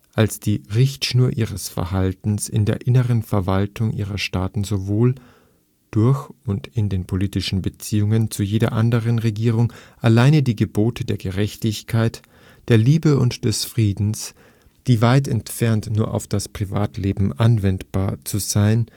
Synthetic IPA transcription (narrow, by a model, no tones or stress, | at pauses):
ʔalsd̥iːʁɪçtʃnuːɐʔiːʁ̞əsfɛ̰ɐɦaltn̩sɪ̰ndeːɐʔɪnəʁənfɛɐvaltʰʊŋʔḭːʁɐʃtaːtn̩zovoːl | d̥ʊɐçʊntɪndeːnpʰoliːtɪʃn̩bət͡siːʊŋənt͡sujeːdɐ̰ʔandəʁ̞ənʁeɡiːʁ̞ʊŋʔalaɪnədiːɡəboːtʰədeːɐɡəʁɛçtɪçkʰaɪt | d̥eːɐliːbəʊntd̥ɛsfʁ̥iːdn̩s | d̥iːvaɪt̬ɛntfɛɐntnuːɐʔa̰ʊfd̥aspʁ̥iva̰ːtleːbm̩ʔanvɛntb̥aːɐt͡suzaɪn